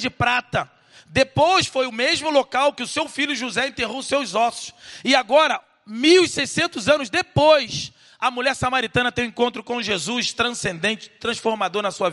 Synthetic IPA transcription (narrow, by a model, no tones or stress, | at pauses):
d͡ʒɪpɾat̪ɐ | d̪epojsfojʊmeʒmʊlokawkɪʊsewfiʎʲjʊʒuzɛẽnt̪eɦosewizɔsʊ̥sɪaɡɔɾɐ | miwisejsẽnt̪ʊzɐ̃nʊzd̪epojs | ɐmuʎɛɾsamaɾit̪ɐ̃nɐt̪ẽj̃ẽkõnt̪ɾʊkõʒezust̪ɾɐ̃sẽnd̪ẽnt͡ʃɪ̥t̪ɾɐ̃sfoɾmad̪oɾnɐsuɐ